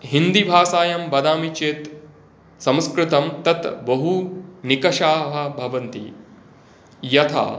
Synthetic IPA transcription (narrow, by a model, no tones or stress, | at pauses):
ɦind̪ibʱaːsaːjɐmbɐd̪aːmit͡ʃeːt̪ | sɐ̃mskɾɪt̪ɐmt̪ɐt̪bɐɦunikɐʃaːɦɐbʱɐʋɐnt̪ḭ | jɐt̪ʰa̰ː